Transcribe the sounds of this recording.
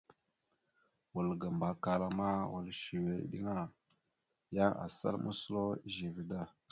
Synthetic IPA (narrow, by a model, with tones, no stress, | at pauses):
wu˨lɡa˨mba˨ka˨la˨ma˦wa˨lʃi˨wḛ˨˦ɗḭ˦ŋa˦ | ja˦ʔa̰˨sa̰˦lmʔṵ˦su˦lo˦ʒi˨vi˨da˦˨